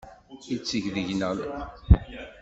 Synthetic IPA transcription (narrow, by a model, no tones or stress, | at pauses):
it͡sːəʝðəʝnəl